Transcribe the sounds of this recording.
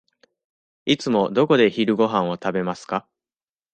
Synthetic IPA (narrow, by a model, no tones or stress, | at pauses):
it͡sɨmo̞d̪o̞ko̞d̪e̞çiɾɯ̟ɡo̞ɦãɰ̃o̞t̪abe̞masɨ̥ka